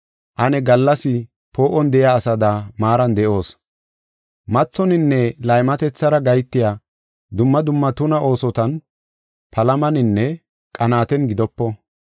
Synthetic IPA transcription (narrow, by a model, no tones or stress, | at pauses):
ʔɐnɛɡɐlːɐsɪ | po̞ːʔɔnd̪ɛjaːsɐd̪ɐmaːɾɐnd̪ɛʔo̞ːs | mɐt͡sːɔnɪnːɛlɐjmɐt̪ɛt͡sːɐɾɐɡɐjt̪ːɪjaː | d̪ʊmːɐd̪ʊmːɐt̪ʊnɐʔo̞ːsɔt̪ɐn | pʰɐlɐmɐnɪnːɛ | kʼɐnaːt̪ɛnɡɪd̪ɔpːɔ